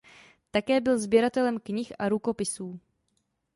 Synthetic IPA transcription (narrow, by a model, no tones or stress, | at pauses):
t̪akɛːbɪlzbjɛɾat̪ɛlɛmkɲɪxʔaɾuko̞pɪsuː